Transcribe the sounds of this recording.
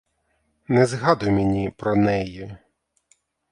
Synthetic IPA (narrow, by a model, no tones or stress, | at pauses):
nɛzɦɑd̪ʊjmenʲipɾɔnɛjɛ